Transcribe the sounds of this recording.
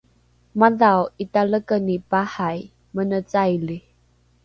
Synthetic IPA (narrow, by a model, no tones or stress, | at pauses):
maðawitaləkənipahaj | mənət͡sajli